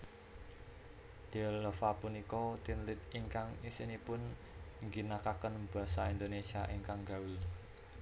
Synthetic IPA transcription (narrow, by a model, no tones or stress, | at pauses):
d̪̥ɛlləfapunikɔt̪inlɪt̪iŋkaŋisinipʊn | ŋɡinakakənb̥a̤saind̪onesiaʔiŋkaŋɡawi